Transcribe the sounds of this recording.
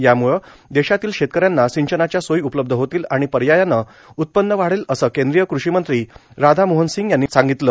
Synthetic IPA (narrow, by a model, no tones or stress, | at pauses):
jamuɭəd̪eɕat̪iːlɕet̪̚kəɾjanːasiɲt͡ɕənat͡ɕjasojupləb̚d̪ʱəɦot̪iːlaɽ̃ipəɾjajanːə | ut̪̚pənːəʋaɽ̤eləsəːkend̪ɾijəkɾuɕimənt̪ɾiː | ɾad̪ʱamoɦənsiŋɡjanːisãŋɡit̪ləː